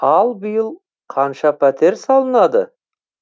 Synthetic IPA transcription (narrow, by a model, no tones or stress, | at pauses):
ɑlˠbəjəlˠ | qʰɑnʃɑpʰæt̪e̞ɾsɑlˠənɑd̪ə